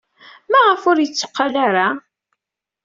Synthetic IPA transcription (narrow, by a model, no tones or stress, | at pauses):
mæʁəfʊɾjət͡sːo̥qːalaɾa